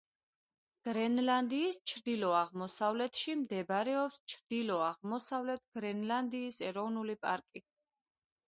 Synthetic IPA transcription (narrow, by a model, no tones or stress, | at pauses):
ɡ̥ɾɛnland̪iːst͡ʃʰɾd̪ilɔaʁmɔsavlɛt̪ʰʃimd̪ɛbɾɛɔpst͡ʃʰɾd̪̥ilɔaʁmɔsavlɛt̪ʰɡ̥ɾɛnland̪iːsɛɾɔvnulipʼa̰ɾkʼi